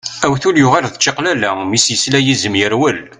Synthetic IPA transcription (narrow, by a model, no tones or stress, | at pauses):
æwθʊljʊʁælðət͡ʃːiqlælæmisjəslæjizəmjəɾwəl